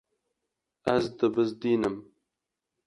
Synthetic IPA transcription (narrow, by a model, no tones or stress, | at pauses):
æzd̪ɨbɨzd̪iːnɨm